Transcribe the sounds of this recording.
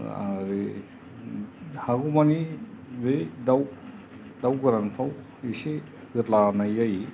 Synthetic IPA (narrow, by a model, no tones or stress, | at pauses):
a̰ɾe | haɡumanibed̪aw | d̪awɡɯɾanpʰaw | ise | ɡɯtlanajaj